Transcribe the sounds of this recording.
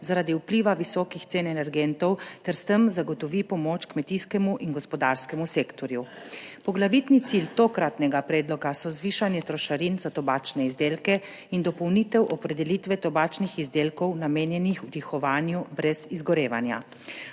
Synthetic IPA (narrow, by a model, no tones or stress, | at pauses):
zaɾad̪iupliːʋaʋisɔːkixt̪seːnɛnɛɾɡɛnt̪ɔwt̪ɛɾst̪əmzaɡɔt̪ɔʋipɔmoːt͡ʃkmɛt̪iskɛmuʔinɡɔspɔd̪aːɾskɛmuseːkt̪ɔɾju | pɔɡlaʋit̪nit̪silt̪okɾat̪nɛɡapɾɛːd̪lɔkasɔzʋiːʃanjɛt̪ɾɔʃaɾinzat̪ɔbaːt͡ʃnɛizd̪eːlkɛ | ind̪ɔpɔwniːt̪ɛwʔɔpɾɛd̪ɛliːt̪ʋɛt̪ɔbaːt͡ʃnixizd̪eːlkɔwnameːnjɛnixwt̪ixɔʋaːnjubɾɛzizɡɔɾeːʋa̰nja̰